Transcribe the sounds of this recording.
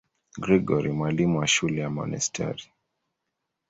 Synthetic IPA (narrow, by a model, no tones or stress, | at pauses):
ɡɾɛɡɔɾimwalimuwaʃulɛjamɔ̰nɛ̰stʰɛ̰ɾi